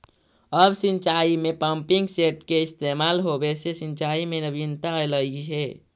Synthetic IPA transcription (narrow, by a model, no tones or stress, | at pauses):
əbsint͡ʃaimepəmpiŋɡseʈkeist̪emalɦobesesĩnt͡ʃaimenəbint̪aləiɦe